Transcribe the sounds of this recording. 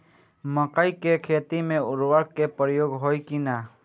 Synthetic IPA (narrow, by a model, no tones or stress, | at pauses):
məqəikekʰeːt̪imẽʊɾwəɾkkepəɾjoːɡɦoːikinaː